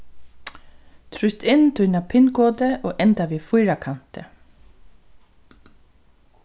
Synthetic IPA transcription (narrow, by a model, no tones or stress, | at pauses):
t̪ʰɾʏst̪ɪnːt̪ʰʊjnapʰɪnɡoːt̪əʔoːʔɛnt̪aʋiːfʊjɾakʰan̥t̪ə